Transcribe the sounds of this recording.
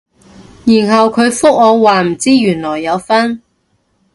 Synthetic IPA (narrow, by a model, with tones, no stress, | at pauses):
jiː˨˩nɦɐ˨wkʰɵ˨˧ɥfʊ˥k̚ːɔː˨˧waː˨m̩˨˩t͡siː˥jyː˨˩nlɔː˨˩jːɐ˨˧wfɐ˥n